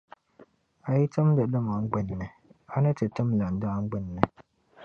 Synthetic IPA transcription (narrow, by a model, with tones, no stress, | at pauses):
a˨ji˦tɨ˦mdɨ˨lɨ˦ma˨ŋ˦ɡ͡bɨ˨nːɨ˨ | a˦nɨ˦tɨ˨tɨ˦mla˨n̩˨daː˦ŋ̩˦ɡ͡bɪ˦nːɨ˨